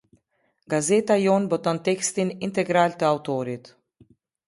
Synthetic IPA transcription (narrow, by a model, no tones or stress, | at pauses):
ɡ̥azet̪ajonbɔt̪ɔnt̪ɛkst̪inint̪eɡɾaːlt̪əawt̪oːɾit̪